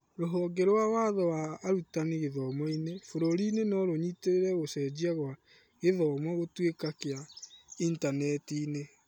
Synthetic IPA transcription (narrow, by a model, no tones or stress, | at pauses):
ɾoɦɔːɡɛɾowawaðɔwaːɾutaniɣeðɔmɔinefoɾoɾinenɔɾoɲiteɾeɾɛɣosɛd͡ʑiaɣwa | ɣeðɔmɔɣotwekakeaintanɛtiːne